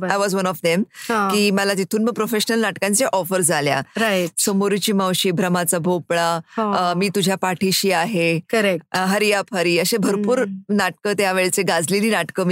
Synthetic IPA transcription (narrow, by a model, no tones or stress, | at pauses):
ajʋɔzʋənɔfd̪emɦãkiːməlat̪it̪ʰuːnməɡ̚pɾofeɕnəlnaʈkãnt͡seʔɔfəɾd͡zʱalja̰ɾajʈsomoɾit͡ɕiːmãwɕiːbʱɾəmat͡sabʱopɭãmiːt̪ud͡ʑʱjapaʈʰiɕiːaɦekəɾekʈɦəɾijapɦəɾiːəɕebʱəɾpuːɾnaʈ̚kəːt̪jaʋeɭet͡seɡad͡zliliːnaʈkəːmi